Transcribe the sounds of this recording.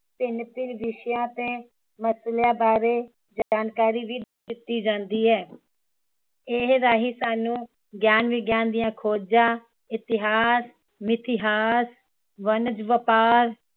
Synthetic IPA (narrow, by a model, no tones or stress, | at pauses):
p̪ɪnt̪ɪlʋɪʃjãːt̪eː | məsljãːbaːɾeː | d͡ʒaːnkaːɾiːʋiːd̪ | kɪt̪ːiːd͡ʒãːnd̪iːɦɛː | eːɦɾaːɦiːsaːnũː | ɡjaːnʋiːɡjaːnd̪ɪjãːkʰoːd͡ʒãː | ɪt̪ɪɦaːs | mɪt̪ɪɦaːs | ʋənəd͡ʒʋəpaːɾ